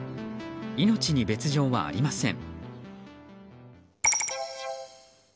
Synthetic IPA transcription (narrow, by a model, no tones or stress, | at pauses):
ino̞t͡ɕiɲ̟ibe̞t͡sɨʑo̞ːβa̰a̰ɾʲimasẽ̞̰ŋ